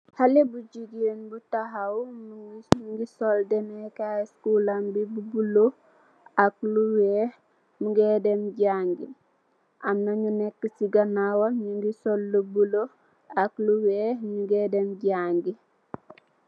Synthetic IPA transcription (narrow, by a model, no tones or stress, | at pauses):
halebuɟiɡenbutaɦawmŋɡisoldɛnekaskulambibubulo | akluwɛh | muŋɡedemɟaŋɡi | ʔamnaɲunɛkːəsiɡanawaɲuŋɡisolːubulo | akluwehmuŋɡedemɟaŋɡi